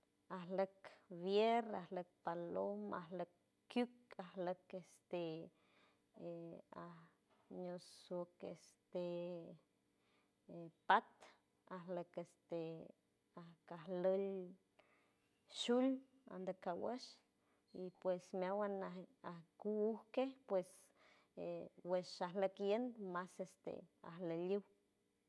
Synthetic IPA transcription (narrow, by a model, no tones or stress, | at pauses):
ahləkβjerahlək̚paloma̰hləkː | jukahləkest̪e | ah | ɲosokḛst̪e | pat̪ | ahləkest̪e | ahkaɦləl | ʃul | a̰nd̪akawəʃ | ipwesmawanaahkuuhkehpwes | eweʃahləkjend̪masest̪ḛa̰hləliw